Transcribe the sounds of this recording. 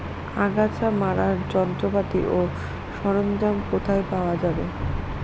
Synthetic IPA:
aɡat͡ɕamaɾaɾd͡ʑɔnt̪ɾopat̪ḭʔo | ʃɔɾomd͡ʑamkot̪ʰaepaoad͡ʑabe

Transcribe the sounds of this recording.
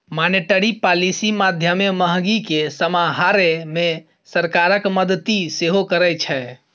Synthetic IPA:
maneʈəɾipalisimad̪ʱjəmeməɦɡikesəmaɦaɾeme | səɾkaɾəkməd̪ət̪iseɦokəɾət͡ʃʰɛ

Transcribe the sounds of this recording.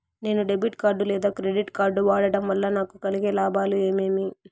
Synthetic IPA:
ne̞ːnuɖe̞biʈkaːɾɖulɛːd̪aːkɾeɖiʈkaːɾɖuʋaːɽɐɽɐmʋɐlːɐnaːkukɐliɡeːlaːbaːlue̞ːme̞ːmi

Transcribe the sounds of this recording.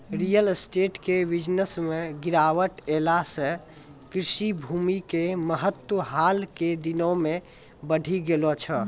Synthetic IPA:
ɾijəlsʈeʈkeʋid͡ʒnəsmeɡiɾaʋəʈelasẽ | kɾiʃibʱumikeməɦət̪wəɦalked̪inõme | bəɽʱiɡelɔt͡ʃʰə

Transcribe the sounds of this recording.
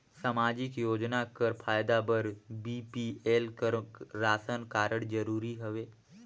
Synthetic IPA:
samaːd͡ʒɪkjoːd͡ʒnakəɾpʰaːjd̪abəɾbiːpieːlkəɾɾaːsənkaːɾəɽ̃d͡ʒəɾuːɾiɦəʋeː

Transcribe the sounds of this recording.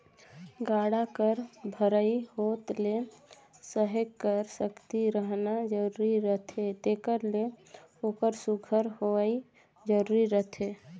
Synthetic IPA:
ɡaɽakəɾbʱəɾəihot̪le | səɦəɡkəɾsəkt̪iɾəɦnad͡ʒəɾuɾiɾət̪ʰet̪ekəɾle | okəɾsuɡʱəɾhoəi | d͡ʒəɾuɾiɾət̪ʰe

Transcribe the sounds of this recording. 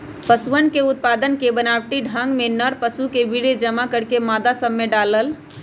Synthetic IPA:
pəsuənkeut̪̚pad̪ənkebənabʈiɖʱə̃ŋɡmenəɾpəsukebiɽed͡ʒəmakəɽkemad̪asəbmeɖaləl

